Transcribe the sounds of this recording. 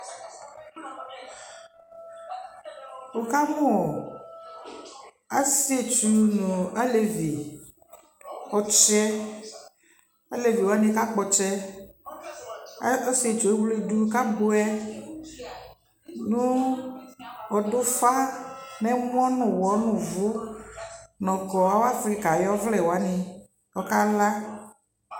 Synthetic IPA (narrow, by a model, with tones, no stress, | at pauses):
wo˨ka˦mũ˦ɔ˨ | a˦si˦e˨t͡ʃu˨nũ˨a˦le˨vi˨ | ɔ˨t͡ʃɛ˦ | a˦le˨vi˨wnẽ˦ka˦k͡pɔ˨t͡ʃɛ˦ | ɔ˦se˨t͡ʃo˨˦ɡ͡ble˦du˦ka˦bo˦ɛ˦ | nũ˦ | wɔ˨do˦fa˦nɛ̃˦m˦ɔ̃˦nũ˨wɔ˨˦nũ˨vʊ˨˦ | nɔ̃˨kɔ˨wa˦wa˦fɾi˦ka˨jɔ˦vlɛ˦˨wɔ˨a˨˦nĩ˨ | ɔ˦ka˦la˦